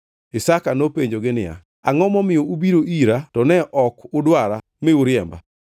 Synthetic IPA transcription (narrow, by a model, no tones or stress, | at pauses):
ɪsakanopeɲd͡ʒoɡɪnɪa̰ | aŋɔmɔmɪoubiɾoʔiɾatɔnɛʔɔkʊdwaɾa | mɪuɾɪɛmba̰